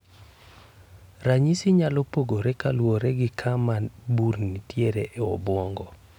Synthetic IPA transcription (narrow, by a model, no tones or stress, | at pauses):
raɲisiɲalɔpoɡoɾɛkalwoɾɛɡɪkʰamanbuɾnitjeɾeʔeɔ̰bwɔŋɡɔ